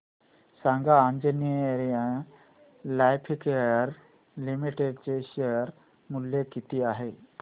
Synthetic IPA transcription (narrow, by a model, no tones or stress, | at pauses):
sãŋɡãːnd͡ʑiniəeɾijã | lajpʰikeəɾ | limiʈeɖt͡seɕeɾ | muljekit̪iːaɦe